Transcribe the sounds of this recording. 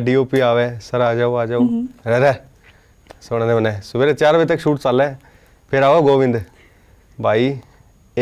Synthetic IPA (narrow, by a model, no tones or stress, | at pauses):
ɖiːoːpiːaːʋeːsəɾaːd͡ʒaːoaːd͡ʒaːoɾɛːɾɛː | soːɽ̃d̪eːmənɛːsʊbeːɾet͡ʃaːɾʋet̪̬əkʃuːʈt͡ʃalɛː | pʰɪɾaːoːɡoːʋɪ̃nd̪ | bʱaːiː